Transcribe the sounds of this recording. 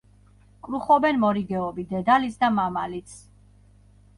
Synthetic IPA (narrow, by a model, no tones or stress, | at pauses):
kʼɾuχɔbɛnmɔɾiɡɛɔbid̪ɛd̪alitsʰd̪amamalit̪sʰ